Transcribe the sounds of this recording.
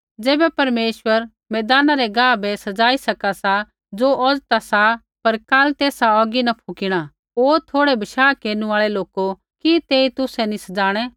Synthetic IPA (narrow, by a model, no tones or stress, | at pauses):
d͡zeːbɛpɐɾmeːʃwəɾ | mɛːd̪aːnaɾɛɡãːbʱɛsɐd͡zaːisɐkasa | d͡zoʔɔd͡zt̪asa | pɐɾkaːlt̪eːsaɔːɡinɐpʰukiɽ̃a | oːɾt̪ʰoːɽɛbɐʃaːkeːnũaːɭɛloːko | kit̪eːit̪ʊsɛnisɐd͡zaːɽ̃ɛ